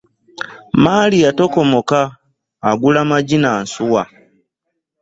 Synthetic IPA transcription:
maːliatoko̞mokaː | ɡulamaɟinansuwa

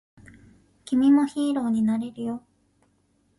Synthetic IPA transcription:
kʲimʲimo̞çiːɾo̞ːɲ̟inaɾe̞ɾɯ̟jo̞

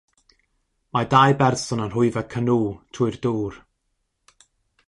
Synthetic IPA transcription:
madajbɛrsɔnanɦʊɨvɛkʰənuːtʰʊɨrduːr

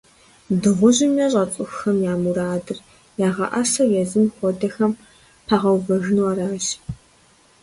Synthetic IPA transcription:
dɨʁʷʊʑɪmjɛɕʼɐt͡sʼʊxxɐmjaːmuɾaːdɨr | jaːʁɐ̰ʔɐsɐjɛzɨmxʷɔdɐxɐm | pʰaːʁɐwvɐɣɨnwɐɾaːʒ

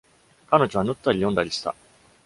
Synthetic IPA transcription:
kano̞ʑo̞β̞anɯ̟t̪ːaɾʲijõ̞nd̪aɾʲiɕi̥t̪a̰

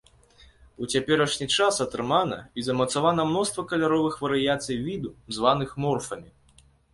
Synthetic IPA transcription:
ut͡sʲapʲɛɾɐʂnʲit͡ʂasɐt̪ɾɨmanɐ̰izɐmɐt̪savanɐmnɔst̪vɐkɐlʲaɾɔvɨxvɐɾɨjat̪sɨjvʲid̪uzvanɨxmɔrfɐmʲi

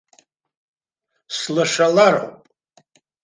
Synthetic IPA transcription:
slaʂalaɾo̰wpʼ

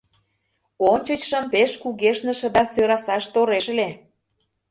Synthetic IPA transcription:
onʲt͡ɕə̆t͡ɕʃə̆mpeʃkuɣeʃnə̆ʃə̆d̪ɑsøɾɑsɑʃt̪oɾeʃə̆le

